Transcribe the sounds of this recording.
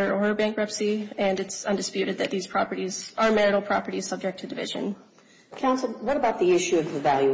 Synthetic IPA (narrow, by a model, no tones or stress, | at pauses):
ɾə˞oə˞bæ̃ŋkɹɛpsiɨ̃nɨtsʌ̃ndɨspjʉɾɨd̪̚ðɨt̪̚ðiz̥pʰɹ̥ɑpə˞ɾizə˞mɛɹɨɾl̩ˠpʰɹ̥ɑpə˞ɾiz̥sʌb̚d͡ʒɨk̚tʰɨdɨvɪ̰ʒɨ̰̃n | kʰãʊ̃nswʌɾəbaʊt̪̚ðiɪʃʉʌvðɨvælˠjʉ